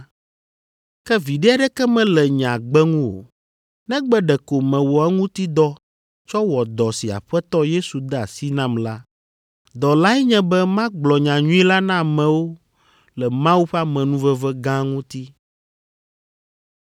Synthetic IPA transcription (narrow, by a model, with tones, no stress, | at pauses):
kɛ˦vi˨ɖɛ˦ɛ˦ɖɛ˦kɛ˦mɛ̃˨lɛ˨ɲã˨ɡ͡bɛ˦ŋũ˦wo̰˨ | nɛ̃˦ɡ͡bɛ˦ɖɛ˨ko˨mɛ̃˨wɔ˨a˦ŋũ˦t̪i˦d̪ɔ˦ | t͡ʃɔ˦wɔ˨d̪ɔ˨si˨a̰˨ɸɛ˦t̪ɔ˦je˦su˨d̪a˨si˦nã˦mla˦ | d̪ɔ˨la˦ɛ˦ɲɛ̃˦bɛ˦mã˦ɡ͡blɔ˨ɲã˨ɲũ˦i˦la˦nã˦˨mɛ̃˨wo˦ | lɛ˨mã˦wu˦ɸɛ˦a˦mɛ̃˨nũ˦vɛ˦vɛ˦ɡã˦ŋũ˦t̪i˦